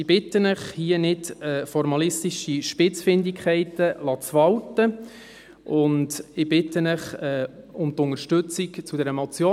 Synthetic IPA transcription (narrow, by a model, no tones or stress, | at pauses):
ɪb̥ɪtːənəχhiənɪtɛfɔɾmɑlɪst̪iʃiʃpɪt͡sfɪnd̪ɪkχɛɪtəlɑt͡svɑwtə | ʔʊndɪb̥ɪt̪ːənəχɛː | ʊmt̪ʊŋəɾʃtɵt͡sikt͡sudɛɾəmɔt͡sjoː